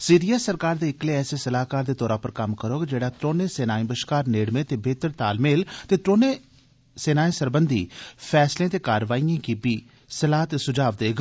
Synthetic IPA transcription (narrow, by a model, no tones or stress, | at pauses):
siːɾijaːsəɾkaːɾd̪eːɪkleːɛːseːsəlaːkaːɾd̪eːt̪ɔːɾãːpəɾkəmkəɾoːɡd͡ʒeːɽaːt̪ɾoːnẽːseːnaːĩːbəʃkaːɾneːɽmẽːt̪eːbʱeːt̪əɾt̪aːlmeːlt̪eːt̪ɾoːneː | seːnaːĩːsəɾbənd̪ḭːpʰɛːslẽːt̪eːkaːɾʋaːiːjãːkipiː | səlaːt̪esʊd͡ʒaːʋd̪eːɡ